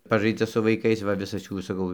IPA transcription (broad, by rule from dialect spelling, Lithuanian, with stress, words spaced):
ˈpɑːʒɐɪd͡zɐ sʊ ʋɐɪˈkɐɪs ʋɐ ˈʋʲɪsɐs ˈjuː sɐˈkɐʊ